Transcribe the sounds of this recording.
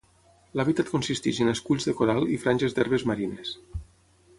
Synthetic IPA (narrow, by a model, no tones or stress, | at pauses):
laβit̪at̪̚konsist̪iʒəneskuʎzðəkoɾalˠifɾanʲʒezd̪ɛɾβezmaɾines